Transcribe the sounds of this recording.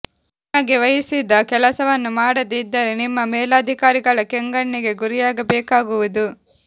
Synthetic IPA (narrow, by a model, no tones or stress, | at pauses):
nɐɡeʋɐjisid̪ɐkɛlɐsɐʋɐnːumaːɽɐd̪id̪ːɐɾenimːɐmɛːlaːd̪ʱikaːɾiɡɐɭɐkɛŋɡɐɳːiɡe̞ɡuɾijaːɡɐbɛːkaːɡuʋud̪u